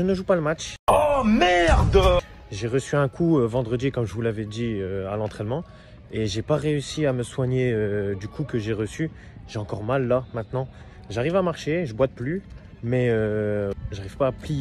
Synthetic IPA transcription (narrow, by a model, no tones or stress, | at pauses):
ənəʒupaləmat͡ʃɔmɛʁd̪ | ʒeʁəsyɛ̃kʰuøvɑ̃d̪ʁəd̪ikɔmʒəvulavɛd̪iøalɑ̃t̪χɛnmɑ̃ | eʒepaʁeysiaməswaɲeød̪ykukəʒeʁəsy | ʒeɑ̃kɔʁmalːamɛ̃t̪nɑ̃ | ʒaʁivamaʁʃeʒəbwat̪̚ply | mɛø | ʒaʁiv̥paːplij